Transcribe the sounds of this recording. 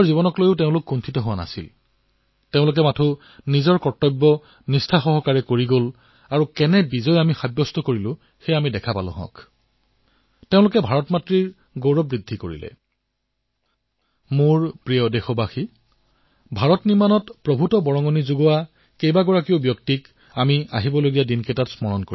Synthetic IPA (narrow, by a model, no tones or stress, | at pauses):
ɔɹzibɔnɔklojʊteʊ̃lʊkːuntʰitɔɦʊwana̰sil | teʊ̃lʊk̬ɛmatʰu | nizɔɹkɔɹtːɔjbːɔ | nistʰaxɔɦɔkaɹɛkoɹiɡol | aɹukɛnɛbizɔjamixabjɔstɔkoɹilʊ̃ | xejamidɛkʰapa̰lʊ̰̃ɦɔ̰̃k | teʊ̃lʊkɛbʱaɹɔtmatɹiɹ | ɡowɹɔbɹidʱːikoɹḭlɛ̰ | muɹpɹijɔdexɔbaxi | bʱaɹɔtniɹmanɔtpɹɔbʱutɔbɔɹɔŋɔnizuɡɔwa | kejbaɡɔɹakiʊbjɔktik | amia̰ɦibɔloɡijadinketatsmɔɹɔnkoi